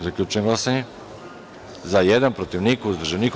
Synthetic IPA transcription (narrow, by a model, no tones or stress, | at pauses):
zakʎʲut͡ʃujeŋɡlˠasaɲe | zajed̪anpɾot̪iʋnikuzd̪r̩ʒenik